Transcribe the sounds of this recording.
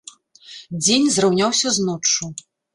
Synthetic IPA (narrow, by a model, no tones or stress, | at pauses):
d͡zʲenʲzrawnʲawsʲɐznɔt͡ʂːu